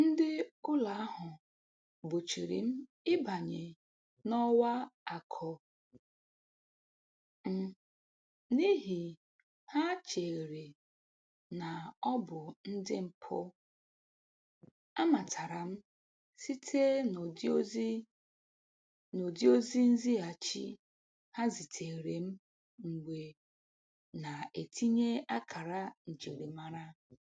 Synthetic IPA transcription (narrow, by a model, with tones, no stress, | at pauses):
n̩˦dɪ˦ʊ˦la˨a˦ɦʊ˨ | bʊ˨t͡ʃi˨ɾḭ˨m̩˦ | ɪ˦ba˨ɲe˨ | nɔ˦wa˦a˨kʰɔ˦ | m̩˦ | ni˦ɦi˨ | ha˦t͡ʃe˨ɾe˨ | na˨ɔ˦bʊ˨n̩˦dɪ˦m̩˨pʰʊ̰˦ | a˦ma˨tʰa˨ɾa˨m̩˦ | si˦tʰe˦˨˦ | no˨di˦o˦zi˦n̩˦zi˦a˨t͡ʃḭ˦ | ha˦zi˨tʰe˨ɾe˨m̩˦ | ŋ̩˨ɡ͡bʷe˨ | na˨e˨tʰi˦ɲe˦a˦kʰa˨ɾa˦n̩˨d͡ʒe˨ɾi˨ma˦ɾa˦